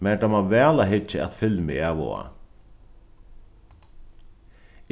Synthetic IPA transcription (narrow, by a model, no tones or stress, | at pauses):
mɛd̪amaʋɛːlaɦɪt͡ʃːɪa̰t̪fɪlmɪ̰aːʋɔ̰a̰